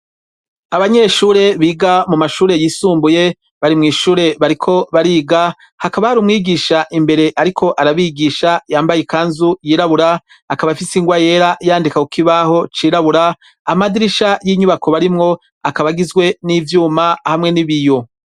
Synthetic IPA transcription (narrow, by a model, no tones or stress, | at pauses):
aβaɲe̞ʃuːɾe̞βiːɡamumaʃuːɾe̞jiːsuːmbuje̞ | βaɾimŋiːʃuːɾe̞βaɾikʰo̞βaɾiːɡa | hakaβahaɾumŋiːɡiːʃaʔimbe̞ɾe̞ʔaɾikʰo̞ʔaɾaβiɡiːʃajaːmbajekaːnzujiːɾaβuɾa | akaβafisiŋɡwaje̞ːɾajaːndikakukiβaho̞t͡ʃiːɾaβuɾaː | madiɾiʃajiɲuβako̞βaɾimŋo̞ | akaβaɡizɡwe̞nivjuːmahamŋe̞niβijo̞